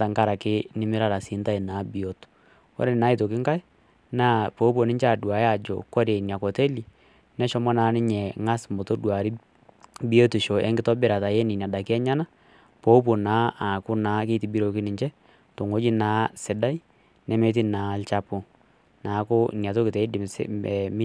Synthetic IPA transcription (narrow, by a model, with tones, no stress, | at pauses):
a˦ta˨ŋka˦ɾa˨kɪ˦nɪ˦mɪ˦ɾa˦ɾa˨si˨˦nta˦i˨naː˨˦bi˨o˨˦t | wo̰˦ɾe˦˨naː˨˦i˦˨to˨kɪ˦ŋka˦j | naː˦po˨˦p̬o˨nɪ˦ɲt͡ʃɛ˦a˨dwa˨ja˨d͡ʒo̰˨kɔ˦ɾe˨nja˨kɔ˨te˦li˨ | nɛ˦ʃɔ˦mɔ˦naː˨˦nɪ˦ɲɛ˨ŋa˦smo˨to˦dwa˨ɾi˦ | bi˦o˦tu˨ʃo˨ʔɛ̰˦ŋɡɪ˦tɔ˦bɪ˦ɾa˨ta˨jɛ˦nɪ˨n˨a˨da˨kɛ˦ɲa˦na˦ | po˦p̬o˨na˨˦a˨kʊ˦naː˨˦ke˦ti˨bi˦ɾo˨ki˦nɪ˨ɲt͡ʃɛ˦ | to˨ŋo˦d͡ʒi˦naː˨˦sɪ˨da˦i˦ | nɛ˦me˦t̬ɪ˦na˨˦lt͡ʃa˦˨po˨ | naː˨˦ko˦nja˨t̬o˦kɪ˨tɛ˨˦ɪ˦dɪ˨msɛ˨m˦